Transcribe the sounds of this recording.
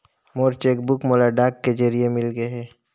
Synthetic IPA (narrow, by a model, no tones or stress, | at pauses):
moːɾt͡ʃeːk̚bʊkmoːlaɖaːkːed͡ʒəɾiemɪlɡəɦɛː